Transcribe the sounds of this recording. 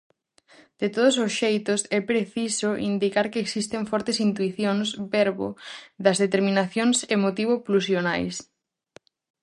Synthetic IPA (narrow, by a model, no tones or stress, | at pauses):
d̪̥et̪oð̞ʊsosʃejt̪ʊsɛpɾeθisoʔḭnd̪ikaɾkeːksist̪eɱfɔɾt̪esint̪̬uiθjoŋsbɛɾβo̰ðɐzðet̪eɾmĩnaθjoŋsemot̪iβ̞oplusjonajs